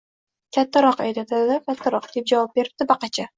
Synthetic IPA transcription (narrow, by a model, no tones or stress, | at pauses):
kʲʰat̪ʰːaɾɒqa̰jd̪at̪ʰad̪ɪd̪akʲʰat̪ʰːaɾɒq̚d̪ep̚d͡ʒavɒp̚be̞ɾɪb̚d̪̥ɪbaqʰɑt͡ʃʰa